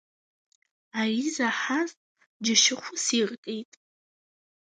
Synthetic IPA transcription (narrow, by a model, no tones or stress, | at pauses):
arizaħazʼ | d͡ʒɪʃɪχʷʊsirkʼejtʼ